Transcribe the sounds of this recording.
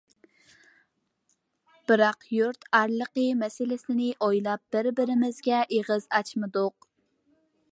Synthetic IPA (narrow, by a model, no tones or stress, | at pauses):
b̥ɨɾɑqjuɾt̪æɾlˠəqəmɛsɪlɪsɪnɪʔojlˠɑp̚b̥ɪɾbɪɾɪmɪzɡʲɛʔeʁəzɑt͡ʃmɨd̪ʊq̚